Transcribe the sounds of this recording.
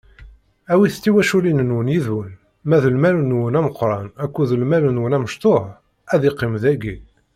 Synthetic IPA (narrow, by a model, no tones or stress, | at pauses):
æwiθt͡sːiwæʃulinənwənjiðwən | mæðəlmælunwənæməqːɾˤɑnækʷːuðəlmælunwənæməʃt̪ˤoħ | æðiqːimðæɡi